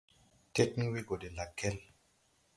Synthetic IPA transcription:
te˦tni˦wi˦ɡo˨de˨la˨kʰːe˦l

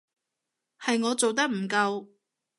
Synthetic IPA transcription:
hɐ˨jŋɔː˨˧t͡so˨wt̪̬ɐ˥k̚m̩˨˩kɐ˧w

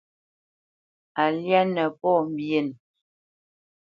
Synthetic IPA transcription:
a˨lja˦nə˨pɔ˦˨m̩˨bje˨n

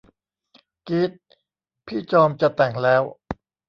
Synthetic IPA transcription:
ki˦˥˩t̪̚ | pʰiː˥˩t͡ɕɔː˧mt͡ɕa˨˩t̪ɛ˨˩ŋlɛː˦˥w

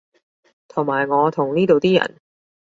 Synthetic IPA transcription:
t̪ʰʊ˨˩ŋmaː˨˩jŋɔː˨˧t̪ʰʊ˨˩ŋniː˥t̪o˨˧wt̪iː˥jɐ̰˨˩n

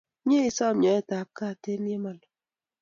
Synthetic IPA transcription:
m˦e˦i˨˦sɔ˦˨mɲɔ˨˦ɛ˦˨ta˨p̚ka˦˨te˦n˦e˦ma˨lɔ˨

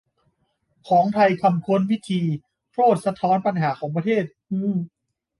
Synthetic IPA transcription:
kʰɔː˩˦ŋt̪ʰa˧jkʰa˧mkʰu˧˥nwi˦˥t̪ʰiː˧ | p̪ʰɾoː˥˩t̪̚sa˧t̪ʰɔː˦˥npa˧nɦaː˩˦kʰɔː˩˦ŋp̬ɾa˧t̪ʰeː˥˩t̪̚ʔɯː˧˥

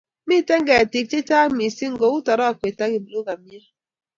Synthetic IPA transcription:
mi˦te˦ŋ̩˦ɡe˨ti˨k̚ti˦ta˦mi˨si˦ŋ̩˨ɡo˨˦u˦tɔ˨ɾɔ˦a˨kʷe˨ta˦ɡi˨bu˨lo˦ɡa˨mi˦e˦

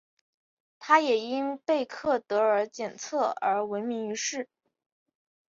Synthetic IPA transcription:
t̪ʰa˥jɛ˨˩i˥npe˥˧ɪkʰɤ˥˩t̪ɤ˧˥ə˞˧˥t͡ɕjɛ˨˩nt͡sʰɤ˥˩ə˞˧˥wə˧˥nɪmi˧˥ŋy˧˥ʂɻ̩˥˩

